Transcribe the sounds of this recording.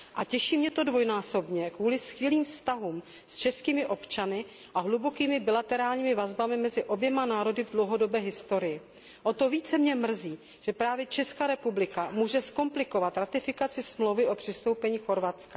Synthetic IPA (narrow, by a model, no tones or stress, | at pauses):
ʔacɛʃiːmɲɛt̪o̞dvo̞jnaːso̞bɲɛkvuːlɪskɪliːmfst̪aɦuːm | st͡ʃɛskiːmɪʔo̞pt͡ʃanɪ | ʔaɦlubo̞kiːmɪbɪlat̪ɛɾaːlɲiːmɪvazbamɪmɛzɪʔo̞bjɛmanaːɾo̞dɪvdlowɦo̞do̞bɛːɦɪst̪o̞ɾɪjɪ | ʔo̞t̪o̞viːt͡sɛmɲɛmr̩ziː | ʒ̥ɛpɾaːvjɛt͡ʃɛskaːɾɛpublɪkamuːʒɛsko̞mplɪkovat̪ɾat̪ɪfɪkat͡sɪsmlowvɪʔo̞pr̝̥ɪst̪owpɛɲiːxo̞ɾvat͡ska